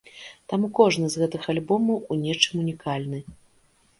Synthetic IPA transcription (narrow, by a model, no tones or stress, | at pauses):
t̪amukɔʐnɨzɣɛt̪ɨxalʲbɔmɐwunʲɛt͡ʂɨmunʲikalʲnɨ